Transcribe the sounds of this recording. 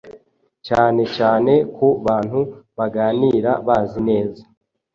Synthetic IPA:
caːne̞caːne̞kʰoβaːn̥huβaɡaːniɾaβaːzine̞ːzḁ

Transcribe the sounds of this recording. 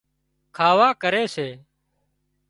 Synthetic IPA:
kʰaːʋaːkəɾeːseː

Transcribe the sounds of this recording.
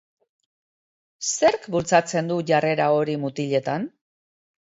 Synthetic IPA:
se̞ɾkbult͡sat͡se̞nd̪uʝare̞ɾao̞ɾimut̪iʎe̞t̪an

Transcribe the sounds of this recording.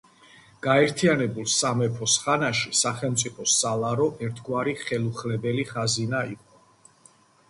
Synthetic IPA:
ɡ̥aɛɾt̪ʰianɛbulˠsamɛpʰɔsχanaʃisaχɛlˠmt̪sʼipʰɔsalˠaɾɔʔɛɾt̪ʰɡwaɾiχɛlˠuχlɛbɛliχazinaiqʼɔ

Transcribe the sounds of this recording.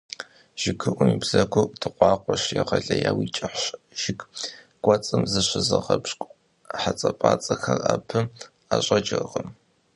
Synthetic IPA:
ʒ̥ɪkʰɨʔʷʊmibzɐkʷʊtʰɨqʷɑːqʷɔɕjɛʁɐɮɐjaːwiːt͡ʃʼɪħɕ | ʒ̥ɪkʼ | kʷʼɔt͡sʼɨmzɨɕʷɪzɐʁɐpɕkʷʼ | ħat͡sʼɐpʼaːt͡sʼɐxɐraːpʰɨ | aːɕʼɐt͡ʃʼɐrʁəm

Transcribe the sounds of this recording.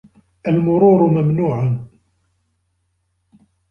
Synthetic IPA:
ʔəlmʊɾuːɾʊməmnuːʕan

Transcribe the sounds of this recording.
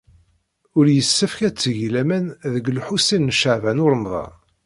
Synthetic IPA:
ʊɾjəsːæfçæt͡sːəʝilæmænðəɡlħusinːəʃəʕvænʊɾˤmðˤɑ̰

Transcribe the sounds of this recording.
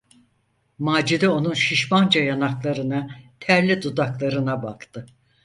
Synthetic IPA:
maːd͡ʒid̪ɛo̞nunʃiʃmand͡ʒajanaklˠaɾɯnat̪ʰæɾlʲid̪ud̪aklˠaɾɯnabakt̪ʰɯ

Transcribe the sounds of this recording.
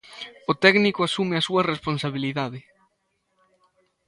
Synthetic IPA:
ʊt̪ɛɡnikʊasumɪasuɐresponsaβ̞iliðaðɪ

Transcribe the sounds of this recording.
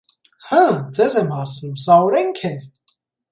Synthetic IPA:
hə̃d͡zɛzɛmhɑsumsɑɔɾɛŋkʰɛn

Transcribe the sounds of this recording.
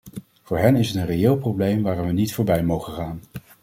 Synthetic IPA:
v̥ʊːɹɦɛnɪsətənrejɪːlˠprowblejmʋaːɾɔmʋənitfʊːɹbɛjmowχəχaːn

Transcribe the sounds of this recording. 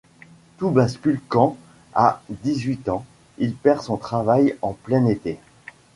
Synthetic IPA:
t̪ubaskʲylkɑ̃ | a̰d̪izɥit̪ɑ̃ | ilpɛʁsɔ̃t̪χavajɑ̃plɛnet̪e

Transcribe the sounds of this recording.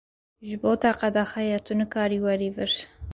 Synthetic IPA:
ʒbot̪aqad̪ɑxajɑt̪unəkɑɾiwaɾivəɾ

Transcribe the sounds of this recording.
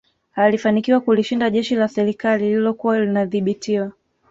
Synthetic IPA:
halifanikiwakuliʃindaʄɛʃilasɛɾikalililɔkuwalinaðiɓitiwa

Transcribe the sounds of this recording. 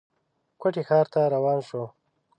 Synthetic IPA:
kwaʈixɑːɾt̪aɾawɑːnʃo

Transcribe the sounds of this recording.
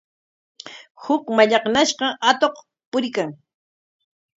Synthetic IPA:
hʊkmaʎɑqnaʃɢɑʔat̪oχ | pʊɾɪkaŋ

